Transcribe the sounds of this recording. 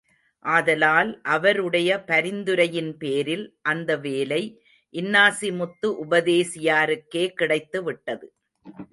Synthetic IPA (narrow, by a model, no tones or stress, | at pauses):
ʔaːðɐlaːlʔɐʋɐɾɯɽɐjɐpɐɾɪnd̪ɯɾɐjɪnpeːɾɪlʔɐnd̪ɐʋeːlɐɪ | ʔɪnːaːsɪmʊt̪ːɯʔʊbɐðeːsɪjaːɾɯkːeːkɪɽɐɪt̪ːɯʋɪʈːɐðɯ